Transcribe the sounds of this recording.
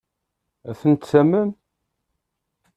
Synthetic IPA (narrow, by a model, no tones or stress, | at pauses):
æθənt̪sæməm